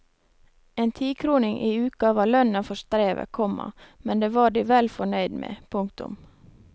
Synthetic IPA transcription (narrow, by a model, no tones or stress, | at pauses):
eːnt̪ʰiːkʰɾuːnɪŋʔiːʉːkɑʋɑːlœnɑfɔʃt̪ɾeːʋə̰kʰɔmɑ̰mɛnd̪eːʋɑːɖiːʋɛlfɔɳœʏd̪mʔḛːpʰʊŋkt̪ʊ̰m